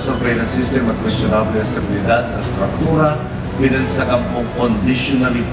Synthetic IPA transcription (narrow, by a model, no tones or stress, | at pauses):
sɔɹvɛjlɐnsist̪ɛmɐt̪̚kwɛst̪jʊnablɛst̪ɐbɪlɪd̪ad̪̚ɐ̰st̪ɾɐk̚t̪uːɾa | wɪlɐnsɐʔɐmpoŋkond̪ɪʃʊnɐli